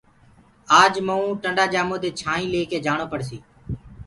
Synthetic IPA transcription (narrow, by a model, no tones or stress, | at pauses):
aːd͡ʒməũːʈəɳɖaːd͡ʒaːmoːt̪eːt͡ʃʰaːĩːleːkeːd͡ʒaːɳoːpəɽsḭː